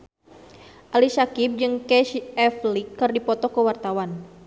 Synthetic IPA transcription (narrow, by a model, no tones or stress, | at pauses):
ʔalisakip̚d͡ʒɨŋkɛʃɛflikːərdipɔt̪ɔkəwart̪awan